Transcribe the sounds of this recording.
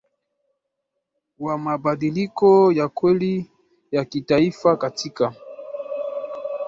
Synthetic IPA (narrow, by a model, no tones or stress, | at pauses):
wamabadilikɔjakwɛli | jakitaifakatika